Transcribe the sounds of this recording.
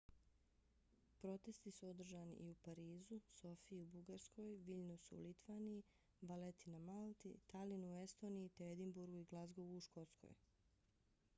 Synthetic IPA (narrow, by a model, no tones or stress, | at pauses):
pɾo̞t̪e̞st̪isuo̞d̪r̩ʒanḭʔiupaɾiːzuso̞fiiubuɡaɾsko̞jʋiʎnusuṵlit̪ʋaːniji | ʋalet̪inamalˠt̪ḭt̪alinuue̞st̪o̞ːnijit̪eed̪imbuɾɡuiɡlˠazɡo̞ʋuuʃko̞t̪skʰo̞̰j